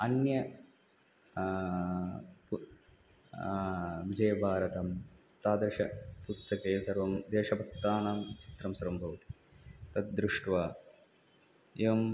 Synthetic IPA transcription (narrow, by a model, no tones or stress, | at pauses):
ɐnjɐ | p | ʋid͡ʒɐjɐbʱaːɾɐt̪ɐmt̪aːd̪ɾɐʃɐpust̪ɐkeːsɐɾʋɐmd̪eːʃɐbɐk̚t̪ːaːnamt͡ʃi̥t̪ɾɐmsɐɾɐmbʱɐʋt̪i̥ | t̪ɐt̪̚d̪ɾuʂʈʋaː | eʋɐm